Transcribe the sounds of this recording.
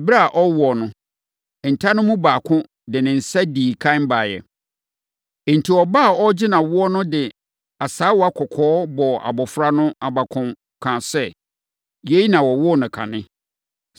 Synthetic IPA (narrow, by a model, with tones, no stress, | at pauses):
ɛ˨ba˦˨ʔɔ˦wɔ˨nʊ̃˦˨ | n̩˨tʰa˦nʊ̃˦mũ˦baː˨kʰʊ̃˦ | dɪ˨nɪ̃˨n̩˨sa˦diː˨kʰã˦m̩˦ba˨jɛ̰˨ | n̩˨tʰi˨ɔ˨ba˦˨ɔ˦d͡ʑɪ˦nã˨wʊ˦ɔ˦nʊ̃˦dɪ˨ | a˨saː˦wɔ˨a˦kʰɔ˨kʰɔː˨˦bɔ˨a̰˨bɔ˨fɾa˦nʊ̃˦a˨ba˨kʰʊ̃˨m | kʰã˨sɛ˦ | je˦i˦nã˨wɔ˨wʊ˦˨nʊ̃˨kʰã̰˨nɪ̃˦